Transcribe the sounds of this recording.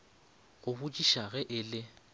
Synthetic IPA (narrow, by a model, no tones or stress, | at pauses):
ɣʊbʊt͡ʃʼiʃaɣɛʔɪlɪ